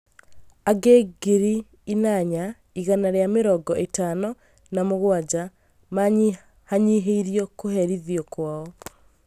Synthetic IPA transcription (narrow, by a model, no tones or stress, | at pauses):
aɡeɡeɾi | inaɲa | iɣanaɾeameɾɔɡɔʔetanɔ | namoɣwad͡ʑa | maɲi | haɲiɦeiɾiɔkohɛɾiðjɔkwaɔ